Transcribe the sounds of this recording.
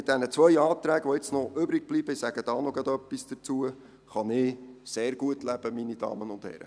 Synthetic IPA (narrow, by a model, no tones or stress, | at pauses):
mɪt̚d̥̪ɛnət͡sʋœjɑːt̪ɾæːɡʋoɪt͡snɔʔʏbɾɪɡ̥̚b̥libəɪsæɡ̥əd̥ɑːnoɡɑd̪œpːisd̥ət͡suə | χɑnɪseːrɡ̥uətlæb̥əminid̥ɑ̰ːmənʊnthɛ̰ɾə̰